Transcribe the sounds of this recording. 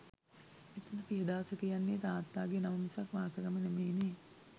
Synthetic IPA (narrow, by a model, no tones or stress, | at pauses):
et̪ənəpiɦəd̪aːsəkijanːeːt̪aːt̪ːaːɡenaʋəmisakʋaːsəkəmənemeːneː